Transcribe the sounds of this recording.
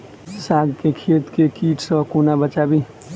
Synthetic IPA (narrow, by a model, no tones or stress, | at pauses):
saɡkekʰet̪kekiʈsʌkonabət͡ʃabi